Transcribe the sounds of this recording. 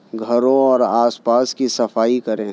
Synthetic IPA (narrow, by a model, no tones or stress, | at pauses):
ɡʱɐɾõɔːɾaːspaːskisɐfaːikɐɾẽː